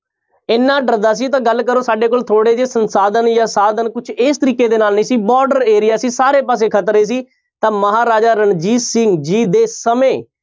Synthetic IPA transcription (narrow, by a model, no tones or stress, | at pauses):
ɪnːãːɖəɾd̪aːs̬iːt̪ãːɡəlːkəɾõːsaːɖeːkoːlt̪ʰoːɽeːd͡ʒeːsənsaːd̪ənjaːsaːd̪ənkʊt͡ʃʰɪːst̪əɾiːkeːd̪eːnaːlnĩːsiːbɔːɾɖəɾeːɾɪjaːsiːsaːɾeːpaːs̬eːkʰət̪ɾeːs̬iː | t̪ãːməɦaːɾaːd͡ʒaːɾəɳd͡ʒiːsɪŋɡd͡ʒiːd̪eːsəmẽː